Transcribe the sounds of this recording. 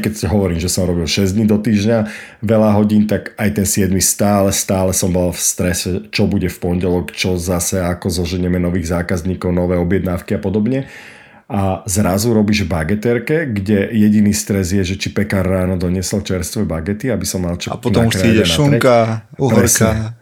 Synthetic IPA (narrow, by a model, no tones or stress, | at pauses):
kɛcɦɔʋɔɾiːmʒɛsɔmɾɔbilʃɛzd̪ɲid̪ɔt̪iːʒɲa | ʋɛlaɦɔɟiːnt̪aɡajt̪ɛnsɪɛd̪mist̪aːlɛst̪aːlɛsɔmbɔlfst̪ɾɛsɛt͡ʃɔbuɟɛfpɔnɟɛlɔkt͡ʃɔzasɛakɔzɔʒɛɲɛmɛnɔʋiːɣzaːkazɲiːkɔʊnɔʋɛːɔbjɛd̪naːʊkiapɔd̪ɔbɲɛ | azɾazuɾɔbiːʒvbaɡɛt̪ɛɾkɛɡɟɛjɛɟiniːst̪ɾɛzɪjɛʒɛt͡ʃipɛkarːaːnɔd̪ɔɲɪɛsɔlt͡ʃɛɾst̪ʋɛbaɡɛt̪iabisɔmːalt͡ʃɔpɔnɔmakʃɾaiɛnaukaupɾɛɾsa